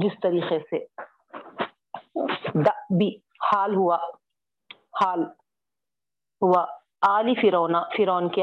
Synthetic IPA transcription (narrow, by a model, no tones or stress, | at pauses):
d͡ʒɪst̪ɐɾiːqese | d̪ɐʔbʱi | haːlɦʊa | haːl | ɦua | aːlifɪɾɔːnafɪɾɔːnke